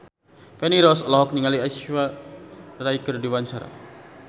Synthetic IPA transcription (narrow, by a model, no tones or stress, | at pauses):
pɛniɾɔslɔɦɔk̚niŋaliaʃwa | raikərdiwaɲt͡ʃaɾa̰